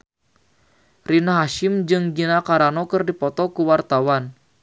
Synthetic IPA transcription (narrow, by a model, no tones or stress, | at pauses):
rinaɦaʃɪmd͡ʒɨŋd͡ʒinakaɾanɔkɨrdipɔt̪ɔkuwart̪awan